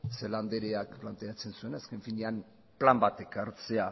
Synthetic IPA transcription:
seland̪eɾeak̚plant̪e̞at͡se̞nsue̞naske̞ɱfiɲean | plambat̪e̞kaɾt͡se̞a

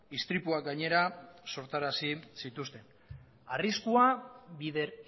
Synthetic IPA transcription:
ist̪ɾipuaɡaɲe̞ɾaso̞ɾt̪aɾasisit̪ust̪e̞n | ariskuaβiðeɾ

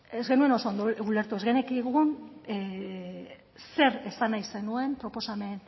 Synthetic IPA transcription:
ezɣe̞nue̞no̞so̞ːnd̪oule̞ɾt̪ue̞zɣenekiɣun | se̞ɾe̞sanajse̞nue̞mpɾo̞po̞same̞n

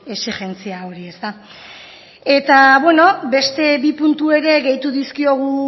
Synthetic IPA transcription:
e̞siɣe̞nt͡siao̞ɾie̞st̪a | e̞t̪aβwe̞no̞be̞st̪e̞βipunt̪ue̞ɾe̞ɣe̞jt̪uðiskio̞ɣ̞u

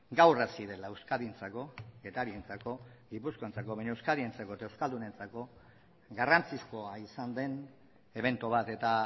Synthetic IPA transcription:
ɡawrasiðe̞laewskaðint͡sako̞e̞t̪aɾient͡sako̞ɡipusko̞ent͡sako̞βajɲoewskaðient͡sako̞et̪aewskald̪une̞nt͡sako̞ | ɡarant͡sisko̞aisand̪e̞n | e̞β̞e̞nt̪uβ̞at̪e̞t̪a

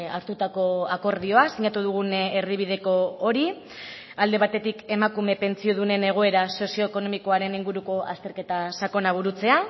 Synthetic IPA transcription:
aɾt̪ut̪ako̞ako̞ɾðio̞asiɲat̪uð̞uɣ̞uneɾðiβið̞e̞ko̞ːɾi | ald̪e̞βat̪e̞t̪ike̞makume̞pe̞nt͡sio̞ðune̞ne̞ɣ̞o̞e̞ɾaso̞sio̞eko̞no̞miko̞aɾe̞niŋɡuɾuko̞ʔa̰st̪e̞ɾke̞t̪asako̞naβ̞uɾut͡se̞a

